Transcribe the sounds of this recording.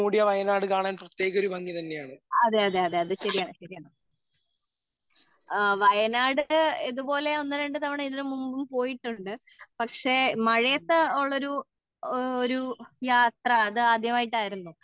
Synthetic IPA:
uːɽijɐʋɐjɐnaːɽɨkaːɳaːnprɐt̪je̞ːɣo̞ɾubɐŋɡit̪ɐnːejaːɳɨɐðeɐðeɐðe̞ɐðɨɕɐɾijaːɳɕɐɾijaːɳɨ | ʋɐjɐnaːɽɨeðubo̞ːle̞o̞nːɐɾeɳɖɨt̪ɐʋiɳeiðɐɾumːumbumpo̞ːjiʈːuɳɖɨ | pɐkʂe̞mɐɻɐjɐt̪ːeoɭːo̞ɾu | oɾujaːt̪rɐːðɨaːd̪ʱjɐmaːjiʈːaːjiɾunːu

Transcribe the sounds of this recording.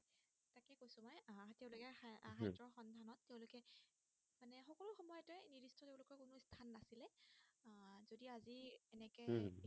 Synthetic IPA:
takɛkojsʊmɔjatɛʊ̃lʊkɛaɦatɹɔɹxɔndʱanɔtːɛʊ̃lʊkɛ | manɛxɔkɔlʊxɔmɔjɔtɔjniɹistʰɔteʊ̃lʊkɔkʊnʊstʰanːasilɛ | zodiaziɛnɛkɛ

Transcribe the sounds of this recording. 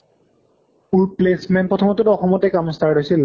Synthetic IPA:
uɹplesmɛnpɹɔtʰɔmɔtɔtɔxɔmɔtɛkamɔstaɹdojsil

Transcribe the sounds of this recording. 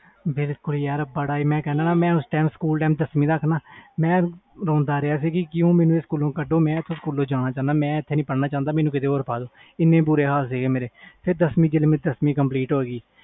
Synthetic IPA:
bɪlkʊljaːɾbəɽaːiːmɛ̃ːkɛːnaːnaːmɛ̃ːʊsʈaːmskuːlʈaːmd̪əsmĩːd̪aːkʰnaːmɛ̃ːɾɔ̃ːnd̪aːɾɪaːsiːkɪkɪjõːmeːnũːeːskuːlõːkəɖõːmɛ̃ːt̪ʰːõːskuːlːõːd͡ʒaːnaːt͡ʃãːnd̪aːmɛ̃ːɪt̪ʰːeːnĩːpəɽnaːt͡ʃãːnd̪aːmeːnũːkɪt̪̬eːoːɾpʰaːd̪oː | ɪnːẽːbʊɾeːɦaːls̬eːɡeːmeːɾeːpʰɪɾd̪əsmiːd͡ʒɪlmɪ̃d̪əsmiːkəmpliːʈɦoːeːɡiː

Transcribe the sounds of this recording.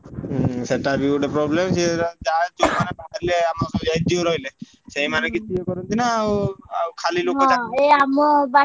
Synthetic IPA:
seʈabiuɖepɾɔblemsed͡ʒad͡ʒomanebakʰaɾileamasɔjaid͡ʒioɾɔɦile | ʃejmanekit͡ʃʰuekɔɾunt̪ʰinaawawkʰalilokɦẽaeamɔba

